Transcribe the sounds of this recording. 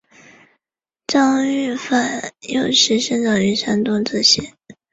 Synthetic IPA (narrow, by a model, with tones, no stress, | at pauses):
ʈ͡ʂɑ˥ŋy˥˩fa˥˩njo˥˧ʊʂɻ̩˥˩ʂə˥ŋʈ͡ʂɑ˨˩ŋy˧˥ʂʰa˥nt̪ʊ˥ŋʈ͡ʂ̩˥˩ɕjɛ˥˦